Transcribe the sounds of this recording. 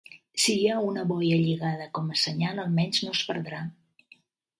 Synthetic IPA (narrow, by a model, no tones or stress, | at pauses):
sijaunəβɔjəʎiɣað̞əkɔməsəɲanəlˠmɛɲznospəɾðɾa